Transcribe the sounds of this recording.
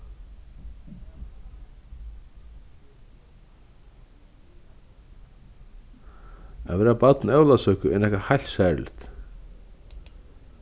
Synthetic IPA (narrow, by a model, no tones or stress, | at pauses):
a̰ðvɛːɾapat̪nɛwlasœːkʏɛnɛhkahajlt̪saɾlɪ̰t̪